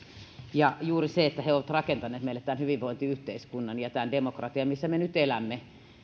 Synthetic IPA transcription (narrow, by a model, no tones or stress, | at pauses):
jɑjuːriseet̪ːæheoʋɑt̪rɑkent̪ɑnˑeːt̪meilːet̪t̪ænhyʋiʋʋoint̪iyht̪eiskunːɑnjɑt̪ændemokrɑt̪iɑmisːæmenyt̪elæmːe